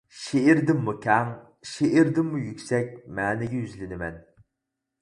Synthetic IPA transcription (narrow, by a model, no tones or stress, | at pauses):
ʃeɪɾd̪ɪmːukʲʰɛŋ | ʃeʔɪɾd̪ɪmːujykʲsɛk̚ʲmɛːnɪɡʲɛjyzlɪnɪmɛn